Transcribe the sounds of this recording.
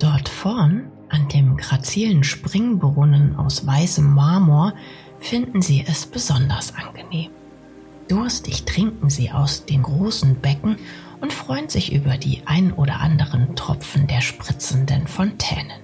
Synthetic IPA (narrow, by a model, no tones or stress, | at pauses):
d̥ɔɐtfɔɐn | ʔandeːmɡʁat͡siːlənʃpʁ̥ɪŋbəʁʊnəna̰ʊsv̥aɪsəmːaɐmuːɐ | fɪndn̩ziːʔɛsb̥əzɔndɐsʔanɡ̥əneːm | d̥ʊɐstɪçtʁ̥ɪŋkŋ̩ziːʔa̰ʊsd̥eːnɡʁoːsn̩bɛkŋ̩ | ʔʊntfʁ̥ɔʏənzɪçʔy̰ːbɐdḭːʔaɪnənʔoːɾɐ̰ʔa̰ndəʁəntʁ̥ɔ̰pp͡fn̩deːɐʃpʁ̥ɪt͡sn̩dənfɔntʰɛ̰ːnən